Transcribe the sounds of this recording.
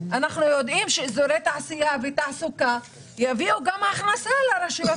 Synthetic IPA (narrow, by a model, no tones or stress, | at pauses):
anaχnujod̪ʔimʃezoɾet̪aʕasijavet̪aʕsuka | javiuɡamaχnasalaɾeʃiva